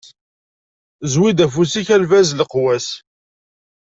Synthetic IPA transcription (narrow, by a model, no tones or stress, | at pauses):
zwid̪æfusiçælvæzləqwæs